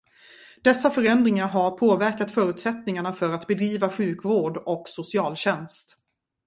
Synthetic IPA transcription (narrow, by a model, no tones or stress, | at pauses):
d̪̥ɛsːafœɾɛnd̪ɾɪŋaɾɦaɾpʰoːvæɾkat̪fœːɾʉ̟t̪sɛt̪nɪŋaɳafœɾat̪bɛd̪ɾiːvaɧʉ̟ːkvoːɖɔksʊsɪɑːlɕɛnst̪